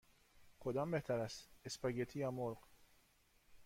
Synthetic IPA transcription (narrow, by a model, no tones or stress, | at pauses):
kɔd̪ɐmbɛt̪ɐɾɐsɪspɐɡɛt̪ʰiːjɐmɔlq